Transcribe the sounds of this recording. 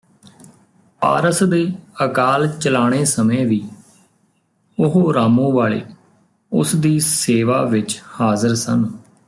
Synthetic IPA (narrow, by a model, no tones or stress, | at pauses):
pa̰ːɾəsd̪eːəkaːlt͡ʃəlaːɽ̃eːsəmẽːʋiː | ʊɦoːɾaːmõːʋaːɭḛː | ʊ̰sd̪iːseːʋaːʋɪt͡ʃhaːzəɾsən